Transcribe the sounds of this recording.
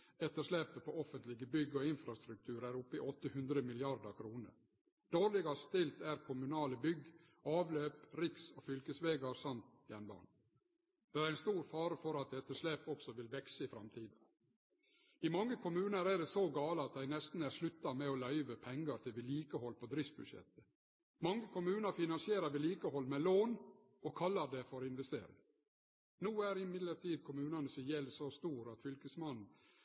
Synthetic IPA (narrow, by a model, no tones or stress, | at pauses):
ɛt̪ːəʂleːpəpʰoɔfənt̪lɪɡəbʏɡːɔɪnfɾɑst̪ɾʉk̚t̪ʰʉːɾæːɾʊpːɪʔɔt̪ːəhʉnd̪ɾəmɪlɪɑɾd̪əɾkʰɾuːnəɾ | d̪̥oːɾlɪɡɑst̪ɪlt̪æɾkʰʊmʉnɑːləbʏɡ | ɑːʋløːpɾɪksoːfʏlkəsʋeːɡɑɾsɑnt̪jɛnbɑ̰ːɳ | d̪̥ɛæɾæɪnst̪uːɾfɑːɾəfɔɾɑt̪̚d̪ɛt̪ːəʂlepɔksɔʋɪlʋɛksəɪfɾɑmt̪ʰiːd̪ | ɪmɑŋːəkʰʊmʉːnəɾæɖɛsɔɡɑːləɑt̪̚d̪æɪnɛst̪n̩æɾʂlʉt̪ːɑmɛɔlœʏʋəpʰɛŋɡəɾt̪ʰɪlʋɪliːkəhɔlpʰɔd̪ɾɪft̪̚bʉd̪ʂɛ̰t̪ːə̥ | mɑŋːəkʰʊmʉːnəɾfɪnɑnsɪeːɾəɾʋɪliːkəhɔlːmɛloːn | ɔkʰɑlːəɖɛfɔɾɪnʋɛst̪ḛːɾɪ̰ŋ | nuːæɾɪmɪd̪ləɾʈ̪ʰiːd̪̚kʰʊmʉːnənəsɪjɛlːsɔst̪uːɾɑt̪fʏlkəsmɑn̩